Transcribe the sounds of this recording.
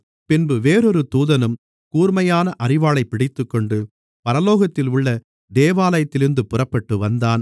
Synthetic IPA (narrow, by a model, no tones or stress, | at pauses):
pɪnbɯʋeːɾɔɾɯt̪uːðɐnɯm | kuːrmɐjaːnɐʔɐrɪʋaːɭɐɪpɪɽɪt̪ːɯkːɔɳɖɯ | pɐɾɐloːɣɐt̪ːɪlʊɭːɐ | d̪eːʋaːlɐjɐt̪ːɪlɪɾɯnd̪ɯpʊrɐpːɐʈːɯʋɐnd̪aːn